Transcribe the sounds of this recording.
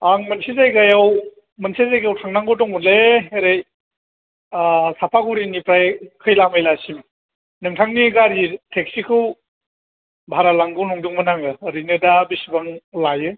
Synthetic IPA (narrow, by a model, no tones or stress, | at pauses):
aŋmɯnsizajɡajaw | mɯnsizajɡawtʰaŋnaŋɡɯdɔŋbunleeɾɯj | sapʰaɡuɾinipɾajkʰɯjlamɯjlasim | nɯŋtʰaŋniɡaɾitʰek̚sikʰɯw | bʱaɾalaŋɡɯwnɔŋduŋmɯnaŋɯɾinɯdabisibaŋlajɯ